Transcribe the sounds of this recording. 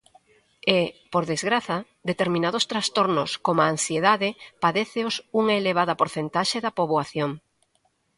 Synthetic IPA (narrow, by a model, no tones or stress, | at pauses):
epoɾðezɣɾaθɐ | d̪et̪eɾmĩnað̞ʊst̪ɾast̪oɾnʊskomaːnsjeðaðɪpaðeθeosuŋaeleβ̞aðɐpoɾθent̪aʃeðɐpoβwaθjoŋ